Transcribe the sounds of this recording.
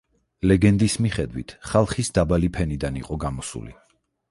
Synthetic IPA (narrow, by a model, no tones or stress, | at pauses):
lɛɡɛnd̪ismiχɛd̪wḭt̪ʰχalˠχisd̪abalipʰɛnid̪anḭqʼɔɡamɔsṵli